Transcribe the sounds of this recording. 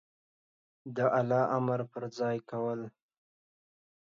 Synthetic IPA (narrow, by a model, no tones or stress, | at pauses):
d̪əʔalɑʔamaɾpəɾzɑjkawəl